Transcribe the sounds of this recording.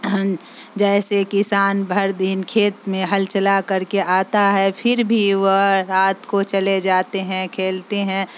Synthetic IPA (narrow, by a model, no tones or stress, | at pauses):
d͡ʒɛːsekɪsaːnbʱɐɾd̪ɪnkʰeːt̪mẽɦɐlt͡ʃɐlakɐɾkeʔaːt̪aɦɛpʰɪɾbʱiʋəɾaːt̪kot͡ʃɐled͡ʒaːt̪eɦɛ̃kʰeːlt̪eɦɛ̃ː